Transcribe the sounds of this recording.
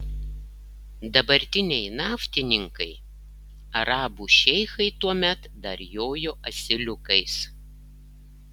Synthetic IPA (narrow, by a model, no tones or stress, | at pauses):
d̪ɐbɐɾʲt̪ʲɪnʲɛɪnɑːft̪ʲɪnʲɪŋkɐɪ | ɐɾɑːbuːʃʲɛɪxɐɪt̪uɔmʲɛt̪d̪ɐɾjoːjoːʔɐsʲɪlʲʊkɐɪs